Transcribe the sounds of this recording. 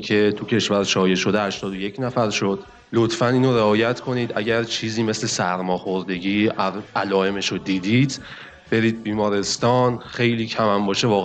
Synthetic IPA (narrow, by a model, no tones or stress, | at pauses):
cʰe̞t̪ʰucʰe̞ʃvæɾʃɒːjeʃo̞d̪ehæʃt̪ɒːd̪oje̞cʰnæfæɾʃo̞d̪̥ | lot̪ʰfæniːnoɾeɒːjæt̪kʰo̞niːd̪ʔæ̰ɟæɾt͡ʃʰiːziːme̞sle̞sæɾmɒːxo̞ɾd̪e̞ɟiːʔælɒːe̞me̞ʃod̪iːd̪iːd̪̥ | b̥e̞ɾiːd̪̚biːmɒːɾe̞st̪ɒːnxe̞jliːcʰæmæmbɒːʃe̞vɒːɣ